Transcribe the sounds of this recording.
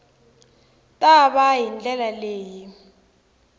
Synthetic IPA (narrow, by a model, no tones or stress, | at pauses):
tʼaɓaɦind͡ɮʼɛlaleːji